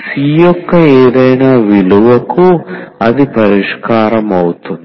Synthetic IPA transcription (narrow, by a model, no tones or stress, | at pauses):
siːjɔkːɐeːd̪ɐjnaːʋiluʋɐkuɐd̪ipɐɾiʂkaːɾɐmɐwut̪und̪i